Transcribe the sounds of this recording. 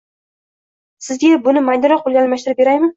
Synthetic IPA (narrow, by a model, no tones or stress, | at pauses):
sɪzɡʲabʊnɪmajnɪɾɒqolˠɡʲalmaʃt̪ɪɾɪp̚beɾajmɪn